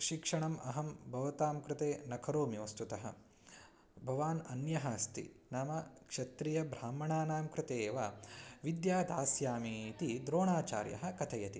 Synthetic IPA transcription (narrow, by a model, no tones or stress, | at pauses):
ʃikʂɐɳɐmɐɦɐmbʱɐʋɐt̪aːmkɾɪt̪eːnɐkʰɐɾoːmiɐst̪ut̪ɐɦɐ̰ | bʱɐʋaːnɐnjɐɦɐst̪ḭnaːmɐkʂɐt̪ɾijɐbʱɾaːmɐɳaːnaːmkɾɪt̪eːʋɐʋid̪jaːd̪aːsjaːmit̪id̪ɾoːɳaːt͡ʃa̰ːɾjɐ̰ɦɐ̆kɐt̪ʰɐjɐt̪i